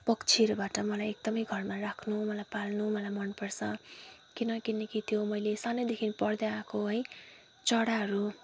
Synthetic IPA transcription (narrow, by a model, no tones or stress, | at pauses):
pʌkt͡sʰiʌɾubaʈʌmʌlajek̚d̪ʌmʌjɡʱʌrmarakʰnumʌlajpalnumʌlajmʌnpʌrsʰʌ | kinʌkinʌkit̪ʰjomʌjlesanʌjd̪ekʰinpʌɽd̪aakoɦʌj | t͡sʌɽaɦʌɾu